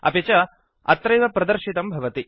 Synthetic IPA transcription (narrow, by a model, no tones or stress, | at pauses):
ɐ̰pet͡ʃɐ | ɐ̰t̪ɾɐjʋɐpɾɐd̪ɐɾʃit̪ɐmbʱɐʋɐt̪i